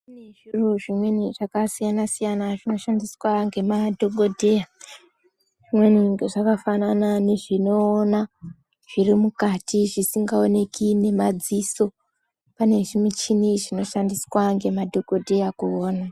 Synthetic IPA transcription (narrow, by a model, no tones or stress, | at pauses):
neʐuruʐimwe̞niʐakasijanasijanaʐino̞ʃandiswaŋɡe̞madʱo̞ɡʱo̞dʱe̞ja | ʐ̥imwe̞niŋeʐakafananane̞ʐinoːna | ʐ̥irimukatiʐisiŋɡao̞ne̞kine̞mad͡ziso̞ | pane̞ʐimit͡ʃiniʐino̞ʃandiswaŋɡe̞madʱo̞ɡo̞dʱejakuoːna